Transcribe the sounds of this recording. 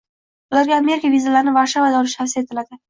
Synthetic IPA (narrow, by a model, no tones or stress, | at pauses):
ʊlaɾɡʲaːme̞ɾɪkʲavizalaɾɪnɪvaɾʃavad̪aɒlɪʃasɪe̞t̪ʰɪlad̪ɪ